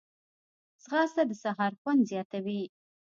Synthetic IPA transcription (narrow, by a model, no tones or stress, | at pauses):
sʁɑsad̪əsaɦɑɾxwand̪zjɑt̪awi